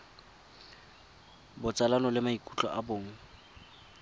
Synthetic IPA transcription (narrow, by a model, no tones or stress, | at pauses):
bʊt͡sʼalanɔlɪmaikʼut͡ɬʼɔ̰ʔaboːŋ̩